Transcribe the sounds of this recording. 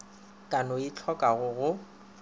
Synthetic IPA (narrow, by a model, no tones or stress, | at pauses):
kʼanoɪt͡ɬʰɔkʼaɣʊɣʊ